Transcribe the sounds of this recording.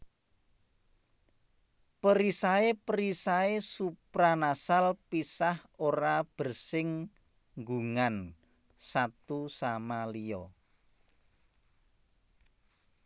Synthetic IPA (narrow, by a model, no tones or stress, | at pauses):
pəɾisaepəɾisaesupɾanasalpisahoɾab̥ə̤rsɪŋ | ŋɡuŋan | sat̪usamalijɔ